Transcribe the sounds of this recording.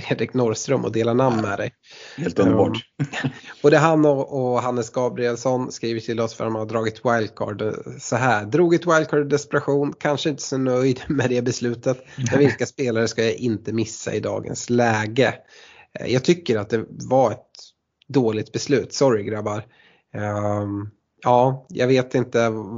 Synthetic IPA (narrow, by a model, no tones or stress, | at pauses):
fɾeːd̪ɾɪknɔɾst̪ɾəmʔɔ̰d̪eːlanamnːmɛ̰d̪ɛ̰j | heːlt̪nɑ̰ː | ɔd̪ɛɦanɔʔɔɦanːəsɡɑːbɾɪɛlsɔnskɾiːvəʈʰɪlɔsfœɾa̰t̪manad̪ɾɑːɡɪt̪ʰwajld̪̚kʰɑ̰ːɖsɔɦæːɾd̪ɾuːɡɪt̪wajl̚kʰɑːɖd̪ɛspɛɾaɧuːnkʰanʂəɪnt̪ə̥sɔnœjd̪mɛd̪ɛbɛslʉ̟ːt̪ət̪mɛnvɪlkaspeːlaɾəʂkajaʔɪnt̪əmɪsːa̰ɪd̪ɑ̰ːɡə̰nslɛːɡə | jɑːɡt̪ʰʏkːəɾat̪̚d̪ɛvaɾɛt̪ | d̪oːlɪɡ̚t̪̚bɛslʉ̟ːt̪sɔɾɪɡɾabaɾ | ɑːjɑ̰ɡveːt̪ɪnt̪ə